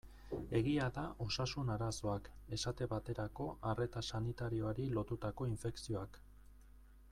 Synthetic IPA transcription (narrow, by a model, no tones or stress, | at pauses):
e̞ɣiaðaʔo̞sasunaɾaso̞ake̞sat̪e̞βat̪e̞ɾako̞ʔare̞t̪asanit̪aɾio̞aɾilo̞t̪ut̪ako̞iɱfe̞ksio̞ak